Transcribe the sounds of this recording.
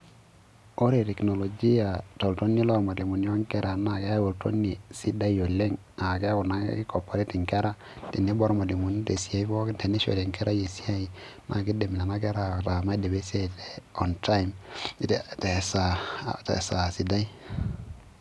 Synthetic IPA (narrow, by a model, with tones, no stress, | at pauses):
o˦ɾe˨tɛ˨kno˨lo˨d͡ʒi˦ja˨to˨lto˦ni˦lo˦ɾma˨li˨mu˨ni˦o˦ŋke˦ɾa˨na˨ɡa˦wo˨lto̰˦nːi˨si˦da˦jo˨le˦ŋ | a˨ɡe˦ku˨na̰˦ki˦ko˨pːo˨ɾi˦ti˨ŋke˦ɾa˦ | ti˨ni˦bɔ˦ɾma˨li˨mu˨n˦te˨si˦ja˦i˦fo˦te˨ni˦ʃo̰˨le˨ŋke˦ɾa˦je˨si˦a˦i˨ | nʔa̰˨ki˦de˨mi˨na˨na˦ke˦ɾa˨ɾa˨ma˦de˨be˦se˦˨te˨ɔ˨nta˦im˦tte˨sa˨tḛ˨sa˨si˨da˦i˦